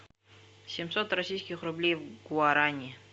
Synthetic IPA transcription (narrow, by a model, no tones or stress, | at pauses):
sʲɪmsot̪rɐsʲijskʲɪxrʊblʲejvɡʊaɾanʲɪ